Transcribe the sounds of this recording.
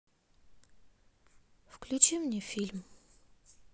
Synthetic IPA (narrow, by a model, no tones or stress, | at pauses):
fklʲʉt͡ɕimnʲɛfʲilʲm